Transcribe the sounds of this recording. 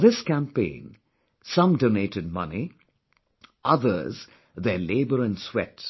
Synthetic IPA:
ðɪskæ̃mpḛ̃ːn | sʌ̃mdoːneːʈɨd̚mʌ̰ni | ʔʌðə̰˞z | ðɛleːbəɾə̃nswɛ̰t

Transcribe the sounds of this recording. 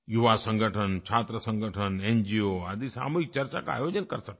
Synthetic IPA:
juʋasə̃ŋɡʱəʈʰənt͡ʃʰaːt̪ɾəsə̃ŋɡʱəʈʰənend͡ʒioad̪isa̰ːmuɦɪk̚t͡ʃəɾt͡ʃa̰ka̰a̰jod͡ʒənkəɾsək̚

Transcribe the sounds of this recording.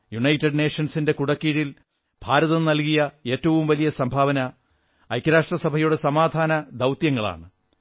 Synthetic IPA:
juɳɐjtːɐɖneːʂɐnsinde̞kuɽɐkːiɽil | bʱaːɾɐðɐnɐlkijɐe̞ːtːɐʋumʋɐlijɐsɐmbʱaːʋɐnɐ | ɐjkːɐɾaːʂʈrɐsɐbʱɐjuɽesɐmaːd̪ʱaːnɐd̪ɐwt̪jɐŋːɐɭa̰ːɳɨ

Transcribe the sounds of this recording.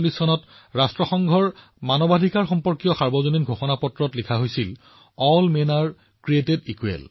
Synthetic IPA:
lisɔnɔt | ɹastɹɔxɔŋɡʱɔɹ | manɔbadʱikaɹxɔmpɔɹkijɔxaɹbɔzoninɡʱoxɔnapɔtɹɔtlikʰaɦojsil | ɔlmenaɹ | kɹietedikuḛl

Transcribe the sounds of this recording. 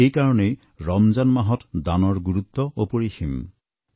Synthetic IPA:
ejkaɹɔnej | ɹɔmzanmaɦɔtdanɔɹɡuɹut̪ːɔopoɹixim

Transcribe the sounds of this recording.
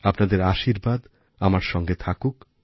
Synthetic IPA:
apnad̪eɾaʃiɾbad̪ | amaɾʃɔŋɡet̪ʰakuk

